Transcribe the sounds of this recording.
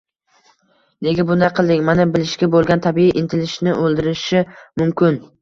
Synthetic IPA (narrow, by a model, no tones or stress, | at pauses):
d̪eɡʲɪbʊnaqʰɨlˠd̪ɪŋʲmanɪbɪlɪʃkʲabolˠɡʲant̪ʰabiiʔɪnt̪ʰɪlɪʃnɪʔolˠd̪ɪɾɪʃɪmʊmkʲɪn